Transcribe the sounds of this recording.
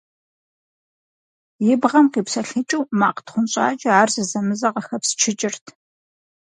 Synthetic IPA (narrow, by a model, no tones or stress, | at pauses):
jɪbʁɐmqiːpsɐɬɨt͡ʃʼuwmaːqə̥tχʷʊnɕʼa̰ːt͡ʃʼɐaːrzɨzɐmɨzɐqɐxɐpst͡ʃʰɪt͡ʃʼɪrtʰ